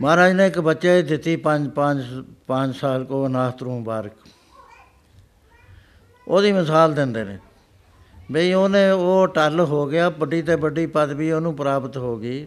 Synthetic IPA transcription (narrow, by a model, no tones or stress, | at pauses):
mãːɾaːd͡ʒnẽːɪkbətːʃeːd̪ɪt̪ːiːpəɲd͡ʒpəd͡ʒpəɲd͡ʒsaːlkoːnaːst̪ɾũːbaːɾk | oːd̪iːməsaːld̪ɪnd̪eːnḛ̃ː | beiːoːnẽːoːʈəlɦoːɡɪjaːpəɖiːt̪eːbəɖiːpət̪biːoːnũːpəɾaːbət̪ɦoːɡiː